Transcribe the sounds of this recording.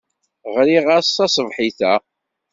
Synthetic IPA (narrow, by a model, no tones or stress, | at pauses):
ʁɾiʁasɑsˤəvħiθæ